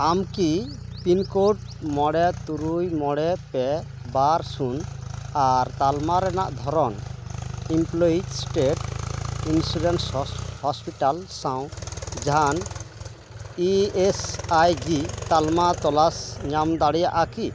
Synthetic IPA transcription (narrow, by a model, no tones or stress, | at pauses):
amkipinkoʈ̚mɔɽɛt̪uɾujmɔɽɛpɛ | baɾsunaɾt̪almaɾɛnaʔd̪ʱɔɾɔn | implɔisʈeʈinsuɖɛnshɔspiʈalsawd͡ʒan | iesajd͡ʒit̪almat̪ɔlasɲamd̪aɽijaʔaki